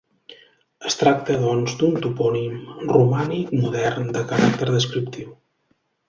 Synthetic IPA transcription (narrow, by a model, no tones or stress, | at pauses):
əst̪ɾak̚t̪əðɔnzd̪unt̪upɔnimrumanikmuðɛrnd̪əkəɾak̚t̪əɾðəskɾip̚t̪iw